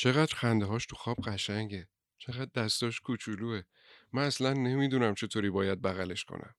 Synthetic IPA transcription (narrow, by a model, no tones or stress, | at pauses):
t͡ʃʰe̞ɣæd̪ɾxænd̪eɦɒːʃt̪ʰuxɒːb̥̚ɢæʃæŋɟe | t͡ʃʰe̞ɣæd̪̚ːæst̪ɒːʃkʰut͡ʃʰuluːe | mænæslænːe̞miːd̪unæmt͡ʃʰe̞t̪ʰoːɾiːbɒːjæd̪̚bæɣæle̞ʃkʰo̰nʔæ̰m